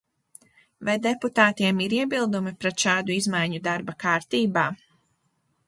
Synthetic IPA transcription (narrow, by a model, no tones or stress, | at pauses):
vajd̪eput̪aːt̪iɛmiɾiɛbilˠd̪umipɾɛt̪ʃaːd̪uizmajɲud̪aɾbakaːɾt̪iːbaː